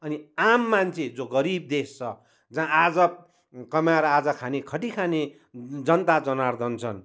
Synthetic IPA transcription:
ʌniamːant͡sʰed͡zoɡʌɾib̚d̪est͡sʰʌ | d͡zãad͡zʌ | kʌmaɾad͡zʌkʰanekʰʌʈikʰane | d͡zʌnt̪ad͡zʌnard̪ʌnt͡sʰʌn

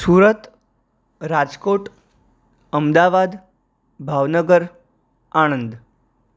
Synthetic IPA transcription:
suːɾət̪ | ɾad͡zkoʈ | əmd̪aʋad̪ | bʱaʋnəɡəɾ | aɽ̃ənd̪

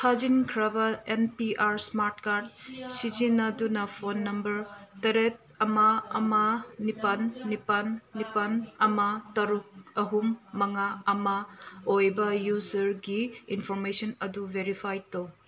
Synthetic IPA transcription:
tʰad͡ʒinkʰɾɐbɐenpiʔaɾsmaɾtkaɾdsid͡ʒinadunɐpʰonːɐmbɐɾtɐɾet̚ɐmaɐmɐnipɐnːipanːipɐnɐmɐtɐɾuk̚ɐɦumːɐŋaɐmɐojbɐjuzɐɾɡiːnpʰoɾmesonɐdubeɾipʰajtow

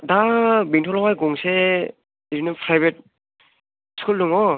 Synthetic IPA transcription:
dabiŋtʰɔlɔwajɡɔŋse | diɾinɯpʰɾajbet̚ | skulːuŋɔ

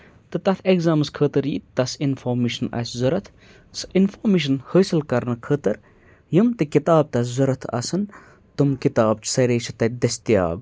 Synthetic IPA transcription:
t̪ɨt̪ɐt̪ʰeɡzaːmɨskʰəːt̪ɨɾjḭt̪ɐsinfoːɾmiːʃɐnɐ̰ːszɐɾɐt̪ʰ | sɨinfoːmiʃ̬ɐnhəːsɨlkɐɾnɐkʰəːt̪ɐɾ | jimt̪ikit̪aːb̚t̪ɐszuɾɐt̪ʰɐ̰sɐn | t̪umkit̪aːbt͡ʃʰsɐɾeːt͡ʃʰɐt̪ɐd̪ɐsʲt̪ija̰ːb

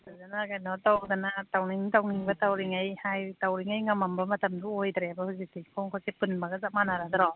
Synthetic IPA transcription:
azanaɡajnɔtawdanatawniŋtawniŋbɐtawɾiŋajhajtawɾiŋajŋamambɐmɐtamduojdɾebahuzik̚tikʰɔŋkʰɔsepɯnmaɡazamanaɾadaɾɔ

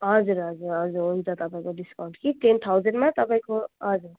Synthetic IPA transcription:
ɦʌd͡zuɾɦʌd͡zuɾʌd͡zuɾũnt͡sʰat̪ʌpaĩkoɖiskaw̃ɳʈkiʈent̪ʰawzəɳɖmãt̪ʌpaĩkoɦʌd͡zuɾ

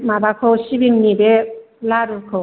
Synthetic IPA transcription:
mabakʰɯwɕibiŋnibe | laɾukʰɯw

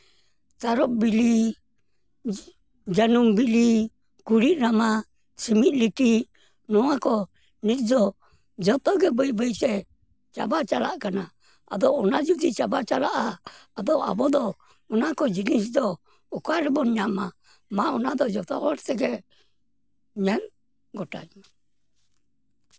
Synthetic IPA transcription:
saɾɔʔbili | d͡ʒanumbili | kuɾiʔɾama | similiʈi | nɔakɔ | nid͡ʒɔ | d͡ʒɔt̪ɔɡɛbɔibɛisɛ | t͡ʃa̰bat͡ʃala̰ʔkanaː | d̪ɔːnad͡ʒud̪it͡ʃabat͡ʃalaʔaːd̪ɔa̰bɔd̪ɔ | ɔnakɔd͡ʒinis̬d̪ɔ | ɔkaɾɛbɔɲama | maɔnad̪ɔd͡ʒɔt̪ɔ̰ɔɾt̪ɛɡɛ | ɲɛn | ɡɔʈa̰d͡ʒ

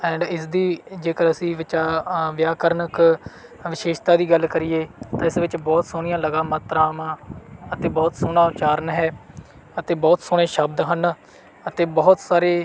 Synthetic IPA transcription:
ɛ̃ːɳɖɪsd̪iːd͡ʒeːkəɾəsĩːʋɪt͡ʃaːʋjaːkəɾnək | ʋɪʃeːʃt̪aːd̪iːɡəlkəɾiːeːt̪ãːɪsʋɪt͡ʃbɔːt̪soːɽ̃ɪjãːləɡaːmət̪ːɾaːmãːət̪eːbɔːt̪sʊnãːt͡ʃaːɾənɦɛː | ət̪eːbɔːt̪sʊːɽẽːʃəbd̪ɦən | ət̪eːbɔːʊt̪saːɾeː

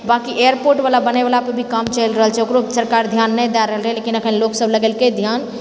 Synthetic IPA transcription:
bakiʔejəɾpoɾʈbalabənebalapəɾbʱikamt͡ʃəlɾəɦəlt͡ʃʰɛokɾosəɾkaɾd̪ʱjanːɛjd̪ɛɾəɦəlɾʰɛlekinəkʰənloksəbləɡɛlked̪ʱjan

